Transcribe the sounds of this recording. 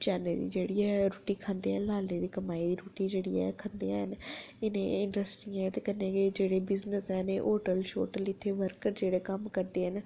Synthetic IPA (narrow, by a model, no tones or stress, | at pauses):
t͡ʃaːnḛd̪ḭːd͡ʒeːɽiːɛːɾuːʈiːkʰãːnd̪eːɛ̃ːlaːleːd̪iːkəmaːiːd̪iːɾuːʈiːd͡ʒeːɽiːɛ̰ːkʰə̃ːnd̪eːãːɦən | ɪnẽːɪɳɖɾəsʈiːãt̪eːkənːẽːked͡ʒeːɽeːbɪznəsɛːneʔoːʈəlʃo̰ːʈəlɪt̪ʰːeːʋəɾkəɾd͡ʒeːɽeːkəmkəɾd̪eːɦən